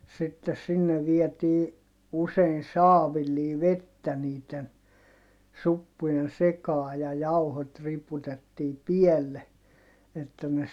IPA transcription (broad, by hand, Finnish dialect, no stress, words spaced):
sitːes sinːe ʋiɛtiː usein̞ sɑːʋilːiː ʋetːæ niːten supːujen sekɑː jɑ jɑuhot riputetːiː pielːe etːæ ne